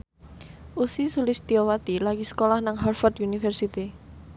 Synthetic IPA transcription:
ʔusisulɪst̪iowat̪ilaɡisə̥kolahnaŋɦarfɔd̪unifɛrsit̪i

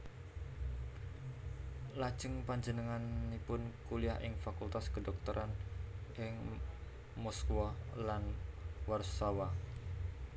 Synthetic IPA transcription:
lad̥ʒ̥əŋpaɲd͡ʒənəŋanːipʊnkuliaɦʔɪŋfakult̪askədɔk̚t̪əɾʔanʔɪŋ | mɔskuwɔlanwarsawa

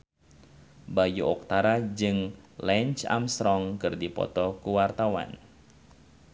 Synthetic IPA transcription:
bajuɔk̚t̪aɾad͡ʒɨŋlɛnt͡ʃa̰mst̪ɾɔŋkɨrdipɔ̰t̪ɔkuwart̪awa̰n

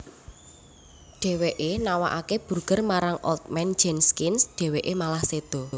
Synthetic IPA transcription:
ɖ̥ɛ̤weʔenawa̰ʔakeb̥urɡ̥ərmaɾaŋʔɔ̰lt̪̚mɛn̥d͡ʒɛnskɪnsɖ̥ɛ̤weʔemalahsed̪̥ɔ̤

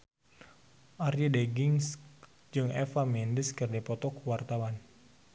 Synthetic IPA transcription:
ʔarjideɡiŋs | d͡ʒɨŋɛfamɛndəskɨrdipɔt̪ɔkwart̪awan

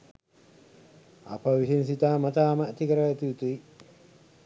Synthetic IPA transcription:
a̰pəʋisinsit̪aːmɐt̪aːməːt̪ikəɾəet̪iut̪ui

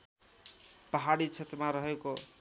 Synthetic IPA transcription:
pʌɦaɽit͡sʰʌt̪maɾʌɦeko

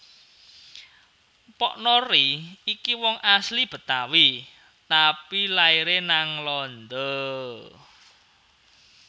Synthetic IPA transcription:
pɔ̰ʔnɔɾiikiwɔŋʔaslib̥ə̤t̪awi | t̪apilaiɾenaŋlɔnd̪ɔ

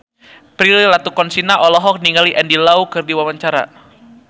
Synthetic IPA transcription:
pɾililat̪ukɔnsinaʔɔlɔɦɔk̚niŋɡaliʔɛndilaukɨrdiwawaɲt͡ʃaɾa̰

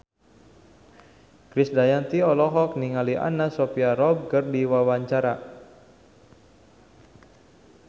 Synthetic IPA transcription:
kɾɪsdajant̪iɔlɔɦɔk̚niŋaliʔa̰nasɔpiaɾɔb̚kərdiwawaɲt͡ʃaɾa

